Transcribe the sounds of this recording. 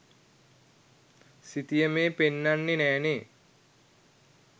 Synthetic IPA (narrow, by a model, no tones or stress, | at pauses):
sit̪ijəmeːpenːanːenɛːneː